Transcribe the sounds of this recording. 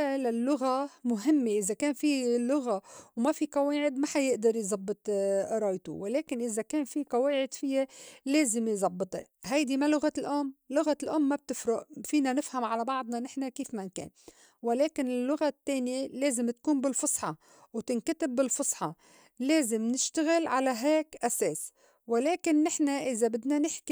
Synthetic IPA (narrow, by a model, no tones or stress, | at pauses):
lalːʊɣamʊɦɪmːeʔɪzakeːnfilʊɣawmafiqɑweːʕɪd̪maħajɪʔd̪ɑɾˤjzˤɑbːɨt̪ˤɾˤɑːjt̪ṵwɪleːkɪnʔɪzakeːnfiqɑweːʕɪd̪fɪjːeleːzɪmjzˤɑbːɨt̪ˤḛ | ɦajd̪imalʊɣalʔoːmlʊɣalʔoːmːab̚t̪ɪfɾʊʔfiːnanɪfhamʕalabɑʕd̪ˤnɑnɪħnakiːfmankḛːn | wɪleːkɪnɪlːʊɣat̪ːeːnjeleːzɪmt̪kuːnbɪlfʊsˤħɑ | wt̪ɪnkat̪ɪbːɪlfʊsˤħɑ | leːzɪmnɪʃt̪aɣɪlʕalaɦeːkʔaseːs | wɪleːkɪnːɪħnaʔɪzabɪd̪nanɪħki